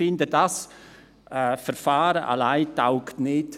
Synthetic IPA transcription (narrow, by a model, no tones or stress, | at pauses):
ɪndədas | ɛfɛɾfaːɾəʔa̰laɪtaʊktnɪt